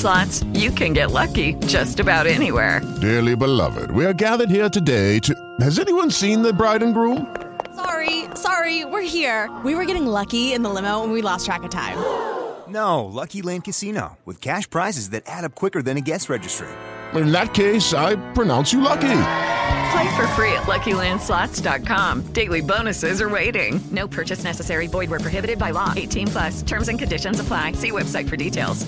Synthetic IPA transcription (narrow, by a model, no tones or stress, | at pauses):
slɑtsjɨkʰɨ̃nɡɛʔlʌkid͡ʒʌstɨbaʊɾɛniwɛ̰ɹd̥ɛɹlˠibəlʌ̰vɪ̰d̚wiə˞ɡæðə˞d̚hiɹtɨdeɪtʰɨ | hɨzɛniwʌ̃nsĩnðɨbɹaɪdⁿn̩ɡɹũm | sɑɹisɑɹiwɪɹhiɹwiwə˞ɡɛɾɪ̃ŋlʌkiɨ̃nðəlɪ̃moʊə̃nwilɔstʰɹ̥ækɨtʰã̰ɪ̃mnoʊlʌkilẽnkɨsino̰ʊwɨ̰ð̥kʰæʃpʰɹ̥aɪzɨzðɨɾʔæɾʌp̚kʰw̥ɪkə˞ðɨ̃nɨɡɛsɹɛd͡ʒɨstɹ̥ḛtɪ̃nðɨt̚kʰeɪsaɪpʰɹ̥ɨnãʊ̃nsjɨlʌki | fʰl̥aɪtfə˞fɹiɨ̰ʔˡlʔʌkilæ̃nd̥slɑtd̥ɑt̚kʰɑ̃md̥eɪlˠibõʊ̃nɨsɪzə˞weɪɾɪ̰̃ŋnoʊpʰɜ˞t͡ʃɨsnɛsɨsɛɹibɔɪd̚wə˞pʰɹ̥oɦɪbɨɾɨd̚baɪlɔʔeɪtʰĩnpʰl̥ʌstʰɜ̃˞mzɨ̃nkɨ̃ndɪʃɨ̃nzəpʰl̥aɪsiwɛb̥saɪtfə˞ditʰeɪlˠz̥